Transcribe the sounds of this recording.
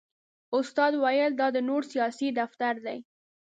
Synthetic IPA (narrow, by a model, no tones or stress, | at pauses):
ʊst̪ɑd̪wajəld̪ɑd̪ənoɽsijɑsid̪aft̪aɾd̪aj